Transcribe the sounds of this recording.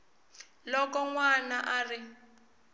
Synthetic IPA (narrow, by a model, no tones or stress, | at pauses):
lɔkɔŋwanaʔarɪ